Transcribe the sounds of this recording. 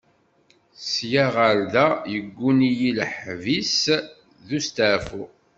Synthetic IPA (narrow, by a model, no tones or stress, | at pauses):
sjaʁəɾðæjəɡʷːunijilħvis | ðust̪əʕfu